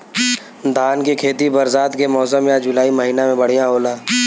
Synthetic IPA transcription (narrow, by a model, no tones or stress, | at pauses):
d̪ʱaːnkekʰeːt̪ibɐɾzaːt̪kemɔːsəmːẽad͡ʒʊlaːimɐɦiːnamẽbɐɽ̤ijãɦoːlaː